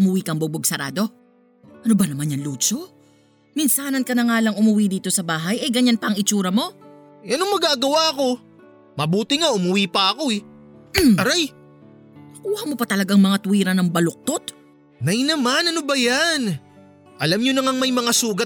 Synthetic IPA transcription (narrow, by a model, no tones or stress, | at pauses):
ʊmʊwikɐŋbʊboɡ̚sɐɾa̰ːd̪o̞ | ʔɐnobɐnɐmanjɐŋluːt͡ʃo | mɪnsaːnɐnkɐnɐŋaːlɐŋʔʊmʊwiːd̪iːt̪o̞sɐbaːɦɐjɐjɡɐɲːanpɐɐŋɪt͡ʃuːɾɐmo̞ | jɐnoŋmɐɡaːɡɐwaɐko̞ | mɐbuːt̪ɪŋaʔʊmʊwiːpɐɐko̞ɪ | ɐɾaj | nɐkuːhɐmo̞pɐt̪ɐlɐɡaŋmɐŋat̪ʊwiːɾɐnɐŋbɐlok̚t̪ot̪ | nɐjnɐmanɐnobɐjan | ʔɐlamɲonɐŋaŋmɐjmɐŋasuːɡɐ